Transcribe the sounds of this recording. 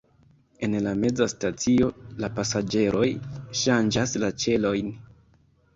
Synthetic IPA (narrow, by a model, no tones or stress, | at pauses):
e̞nlame̞d͡zastat͡sio̞lapasad͡ʒe̞ɾʔo̞jʃand͡ʒaslat͡ʃe̞lo̞jn